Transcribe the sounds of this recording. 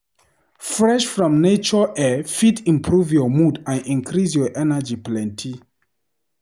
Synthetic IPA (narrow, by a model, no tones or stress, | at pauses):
fɹɛʃfɹɔ̃mnet͡ʃɔʔɛfitĩmpʰɹuvjɔmudãnĩŋkʰɹis̬jɔʔɛnad͡ʒiplɛ̃ntʰi